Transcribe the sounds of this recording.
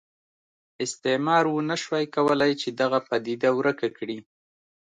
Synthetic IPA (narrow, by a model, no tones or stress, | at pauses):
ɪst̪emɑɾwunaʃwajkawəlajt͡ʃed̪aɣapad̪id̪awɾəkakɽi